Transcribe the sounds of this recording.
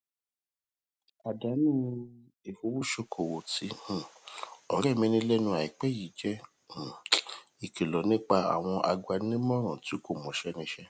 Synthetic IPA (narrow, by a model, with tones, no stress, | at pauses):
a˨da˨˦nũ˦ | e˨fo˧˦wu˦ʃo˧kʰo˨wo˨tĩ˨˦˨ɔ˨˦ɾɛ˦˨mĩ˧˦nĩ˧˦lɛ˦nũ˧a˨i˨k͡pɛ˦˨ji˨d͡ʒɛ̃˦˨ | i˨kʰe˨lɔ˨nĩ˦k͡pa˧a̰˨w̃ɔ̃˧ʔa̰˧ɡʷa˧˦ĩ˦mɔ̃˦ɾ̃ã˨ti˨˦ko˦˨mɔ̃˨ʃɛ˦nĩ˧˦ʃɛ˦